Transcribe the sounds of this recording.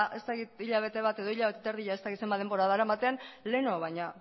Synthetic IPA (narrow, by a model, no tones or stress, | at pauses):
ʔe̞st̪akit̪iʎaβ̞e̞t̪e̞β̞at̪e̞ðo̞iʎaβe̞t̪et̪eɾðiʎaest̪akit̪sembaðe̞mboɾaðaɾaemat̪e̞anle̞no̞βajɲa